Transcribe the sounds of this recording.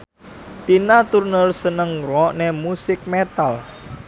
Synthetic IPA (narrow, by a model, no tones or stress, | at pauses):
t̪inat̪urnəlsənəŋɾɔʔnemusɪk̚met̪al